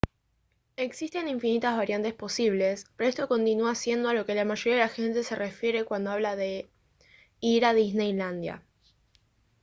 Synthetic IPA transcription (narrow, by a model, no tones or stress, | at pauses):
e̞ksist̪e̞niɱfinit̪azβaɾjant̪e̞spo̞siβ̞le̞speɾoe̞st̪o̞ko̞nt̪inuasje̞nd̪oalo̞ke̞lamaʒo̞ɾiaðelaxe̞nt̪e̞se̞rʔe̞fje̞ɾe̞kwand̪o̞aβlaðe̞ | iɾaðiznejland̪ja̰